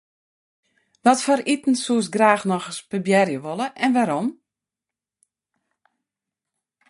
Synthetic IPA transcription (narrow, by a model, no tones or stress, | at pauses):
dɔtfɔɾitn̩suəsɡraːxnɔxəspəbjɛrjəʋolˠəʔɛnʋaɾɔm